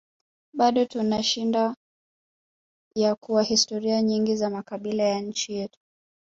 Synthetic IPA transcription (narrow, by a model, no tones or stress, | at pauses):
ɓaɗɔtunaʃinda | jakuwahistɔɾiaɲiŋɡizamakaɓilajaɲ̩t͡ʃijɛtu̥